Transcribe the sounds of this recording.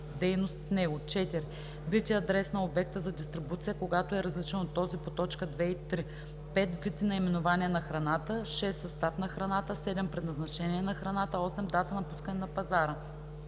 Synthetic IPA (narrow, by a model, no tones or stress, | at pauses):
d̪ɛjnost̪fnɛɡot͡ʃɛt̪iɾ | vit̪iɐd̪ɾɛsnəobɛk̚t̪əzɐd̪ist̪ɾibut̪sijəkoɡat̪oɛɾɐzlit͡ʃənot̪ːɔzipot̪ɔt͡ʃkəd̪vɛit̪ɾi | pɛt̪vit̪inɐimɛnovaniɛnɐxɾɐnat̪əʃɛsːɐst̪afnɐxɾɐnat̪əsɛd̪ɛmpɾɛd̪nɐznɐt͡ʃɛniɛnɐxɾɐnat̪əɔsɛmd̪at̪ənɐpuskənɛnɐpɐzaɾə